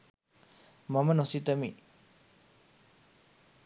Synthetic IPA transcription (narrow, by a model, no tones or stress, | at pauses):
mɐmɐnosit̪ɐmi